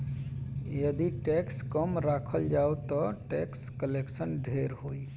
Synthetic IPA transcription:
jəd̪iʈekskɔmɾakʰəld͡ʒawt̪ɔʈekskəleksənɖʱeɾhoi

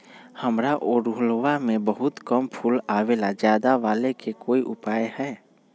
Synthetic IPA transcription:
həmɾaʔoɾuɦlwamẽbəɦʊt̪kəmpʰulaːwelad͡ʒjaːd̪aʋaːlekekoːiʔʊpaːjhɛː

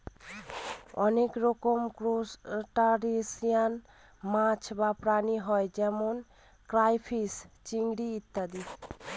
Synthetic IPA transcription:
ɔnekɾɔkomkɾosʈaɾisijan | mãt͡ʃʰbapɾaniɦɔed͡ʒɛmon | kɾajpʰist͡ʃiŋɡɽiːt̪ːad̪i

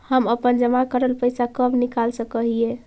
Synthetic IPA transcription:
həməpənd͡ʒəmakəɾəlpəjsakəbʱnikalsə̃kəɦie

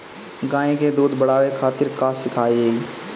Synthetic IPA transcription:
ɡãːẽked̪uːd̪bəɽaːʋekʰaːt̪ɪɾkaːsɪkʰaːieː

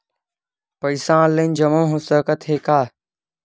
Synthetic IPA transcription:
pəɪsãːlend͡ʒɐmõːɦosəkət̪ɦeːkaː

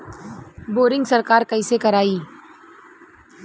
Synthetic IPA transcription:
boːɾɪ̃ŋɡsəɾkaːɾkəisekɐɾaːiː

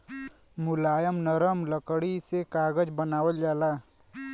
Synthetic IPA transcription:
mʊlaːjəmnəɾəmləkɽisekaːɡəd͡ʒbənaːwəld͡ʒaːlaː

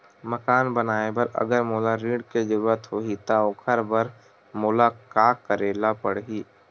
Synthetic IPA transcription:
məkaːnbənaːebɐɾɐ̰ɡəɾmoːlaɾiːɖked͡ʒɐɾuːɾət̪ɦoːit̪aokʰəɾbəɾ | mʊːlakaːkkːəɾeːlapəɽɦiː

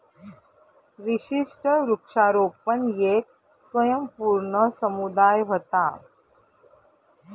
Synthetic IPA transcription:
ʋiʃiʂʈəɾukʂaːɾoːpənjeːk̚ | sʋəjəmpuːɾɳəsəmud̪aːjʋət̪a

